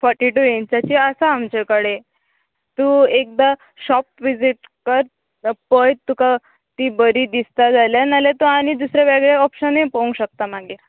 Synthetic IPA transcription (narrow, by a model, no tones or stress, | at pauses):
fɔɾʈiʈujẽnt͡ɕat͡ɕiəsaamt͡ɕekəɽe | t̪uek̚d̪a | ɕɔp̚ʋid͡ziʈ̚kəɾ | pəjt̪ːuka | t̪iːbəɾiːd̪ist̪ad͡zaljanalat̪uaɽ̃id̪usɾaʋeɡɭeɔpɕənẽpoũŋɡɕək̚t̪amaɡiɾ